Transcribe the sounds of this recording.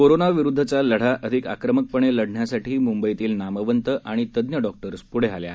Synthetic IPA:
koɾonaʋiɾud̪ʱːət͡saləɽ̤aʔəd̪ʱika̰kɾəmək̚pəɳeləɽɳjasaʈiːmumbəjt̪iːlnaməʋənt̪əʔaɽ̃it̪əd̪njəɖɔk̚ʈəɾspuɽ̤ealja̰

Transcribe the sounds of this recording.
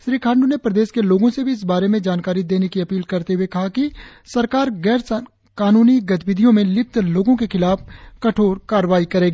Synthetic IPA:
ʃɾiːkʰãːɳɖunepɾəɐd̪eːʃkeloːɡõsebʱiɪs̬baːɾemẽd͡ʒaːnkaːɾid̪eːnekiɐpiːlkɐɾt̪eɦʊekɐɦakisɐɾkaːɾɡɛːɾs | kaːnuːniɡɐt̪bɪd̪ʱijõmẽlɪp̚t̪loːɡõkexɪlaːfkɐʈʰoːɾkaːɾʋaːikɐɾeːɡː

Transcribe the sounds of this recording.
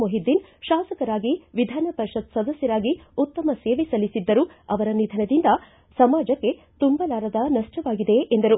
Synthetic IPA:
moɦid̪ːinʃaːsɐkɐɾaːɡiʋid̪ʱaːnɐpɐɾʃɐd̪sɐd̪ɐsjɐɾaːɡiut̪ːɐmɐseːʋesɐlisid̪ːɐɾuɐʋɐɾɐnid̪ʱɐnɐd̪ind̪ɐ | sɐmaːd͡ʒɐkːe̞ | t̪umbɐlaːɾɐd̪ɐnɐʂʈɐʋaːɡid̪e̞ʔend̪ɐɾu

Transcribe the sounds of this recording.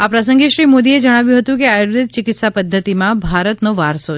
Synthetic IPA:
apɾasə̃ŋɡeʃɾimod̪ied͡ʒəɽ̃aʋjũɦət̪ũkeajoɾd̪it̪̚t͡ʃɪkɪt̪sapəd̪ʱːət̪imãbʱaɾət̪noʋaɾso

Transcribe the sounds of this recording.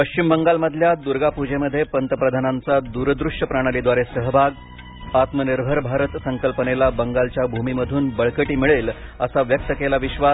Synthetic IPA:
pəɕt͡ɕimbəŋɡalməd̪ʱljad̪uɾɡapud͡ʑeməd̪ʱːjepənt̪əpɾəd̪ʱanant͡sad̪uɾəd̪ɾuʂjəpɾaɽ̃əlid̪ʋaɾesəɦəbʱaɡ | at̪məniɾbʱəɾbʱaɾət̪səŋkəlpənelabəŋɡalt͡ɕjabʱumiməd̪ʱuːnbəɭkəʈiːmiɭelə̰saʋjək̚t̪əkelaʋiɕʋa

